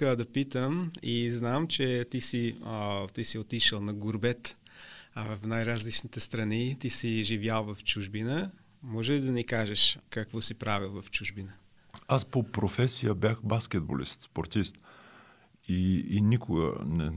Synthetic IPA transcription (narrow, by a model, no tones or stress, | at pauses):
kd̪ɐpit̪əmiznamt͡ʃɛt̪isit̪isiot̪iʃəlˠnɐɡʊɾbɛt̪ː | vɐfnajɾazlit͡ʃnit̪ɛst̪ɾɐnit̪isiʒivjalˠvɐft͡ʃuʒbinə | mɔʒɛlid̪ɐnikaʒɛʃkakvɔsipɾavilˠvɐft͡ʃuʒbinə | aspopɾofɛsijəbjaxbaskʲɛd̪̚bo̰lḭst̪spoɾt̪ist̪ | iːnʲikʊɡə̰nɛ̰